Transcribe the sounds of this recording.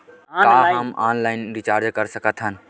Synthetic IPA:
kaɦəmanlaɪnɾit͡ʃaɾd͡ʒkəɾsəkət̪ʰɦən

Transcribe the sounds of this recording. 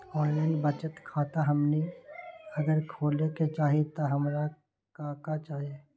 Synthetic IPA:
ɔːlənbət͡ʃət̪kʰaːt̪aɦɐmne | ɐɡəɾkʰoːleket͡ʃaːɦet̪aɦɐmɾa | kãːkat͡ʃaːɦe

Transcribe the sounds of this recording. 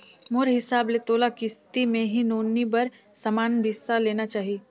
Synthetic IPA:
mʊɾɦɪsaːbleːt̪oːlakɪst̪imẽɦinoːnːibɐɾ | sɐmaːnbʱɪsaleːnat͡ʃaːɦieː

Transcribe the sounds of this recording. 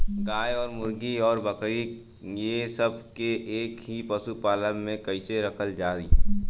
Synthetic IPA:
ɡaːjɔːɾmʊɾɡiɔːɾbəkɾi | jesəb̚ʱkeʔeːkɦipəsupaːləmẽkəɪseɾɐkəld͡ʒaːɾḭː

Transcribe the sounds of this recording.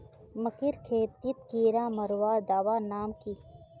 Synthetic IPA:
mɐkɪɾkʰeːt̪it̪kiːɾãːmɐɾwaːd̪aːʋaːnaːmki

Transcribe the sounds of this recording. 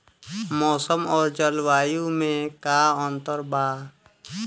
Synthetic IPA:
mɔːsəmɔːɾd͡ʒəlwaːjũmẽkaɔ̃nt̪əɾbaː

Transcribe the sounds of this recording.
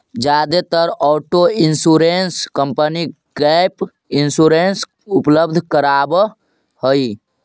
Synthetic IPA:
d͡ʒaːd̪et̪əɾɔːʈoinsuɾenskəmpəni | ɡɛp | insuɾens | upləbd̪ʱkəɾab | həi

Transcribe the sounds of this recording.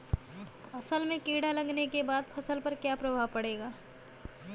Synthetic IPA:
ɐsəlmẽkiːɽalɐɡnekebaːd̪pʰɐsəlpɐɾkjapɾɐbʱaʋpɐɽeːɡaː

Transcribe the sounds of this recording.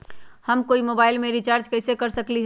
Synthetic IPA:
həmkoimobailmeɾit͡ʃaɾd͡ʒkəɪsekəɾsəkliɦ

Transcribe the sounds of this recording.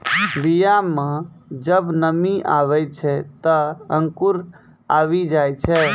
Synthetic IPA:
d̪ijamã | d͡ʒəbnəmiʔaʋɛjt͡ʃʰɛt̪əə̃ŋkuɾ | aʋid͡ʒajt͡ʃʰɛ

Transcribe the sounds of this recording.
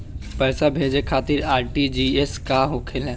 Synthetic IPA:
pɛːsabʱeːd͡ʒekʰaːt̪ɪɾaːɾʈid͡ʒieskaɦokʰelɦɛ̃ː

